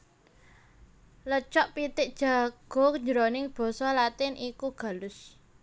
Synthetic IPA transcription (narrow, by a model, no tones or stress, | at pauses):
lət͡ʃɔʔpit̪ɪʔd̥ʒ̥a̤ɡ̥o̤kəɲd͡ʒəɾonɪŋb̥ɔ̤sɔlat̪ɪnʔikuɡ̥a̤lʊs